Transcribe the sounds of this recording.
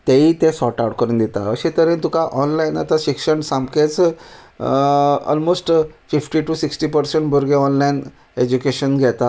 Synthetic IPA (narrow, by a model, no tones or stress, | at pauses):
t̪eiːt̪ẽsɔʈauʈkəɾuːnd̪et̪aəɕet̪əɾĩnt̪ukaʔɔnlaina̰t̪aɕikʂəɳsãmbket͡s | ɔ̰lmosʈfifʈiʈusiksʈiːpəɾseɳʈbʱəɾɡeɔnlain | ed͡ʑukeɕənɡʱɛt̪a